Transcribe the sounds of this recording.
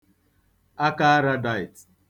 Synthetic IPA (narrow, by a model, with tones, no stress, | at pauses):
a˦ka˦a˦ɾa˦da˨ɪ˨t